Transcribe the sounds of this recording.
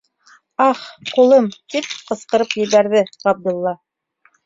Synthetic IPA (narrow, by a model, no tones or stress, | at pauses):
ɑχqulˠɤmt̪ip̚qɤ̆sqɤ̆ɾɤpjɘ̆βæɾðɘʁɑb̚d̪ʊ̆lˠːɑ